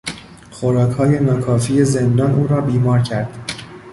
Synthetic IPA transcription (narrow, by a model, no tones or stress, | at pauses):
xoɾɒːkʰhɒːje̞nɒːkʰɒːfiːje̞zend̪ɒːnʔuːɾɒːbiːmɒːɾcʰæɾd̪̥